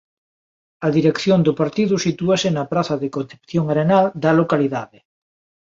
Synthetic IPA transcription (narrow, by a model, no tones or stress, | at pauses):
ɐðiɾekθjond̪ʊpaɾt̪iðusit̪uasenɐpɾaθɐðekõnθepθjoŋaɾenald̪ɐlokaliðaðe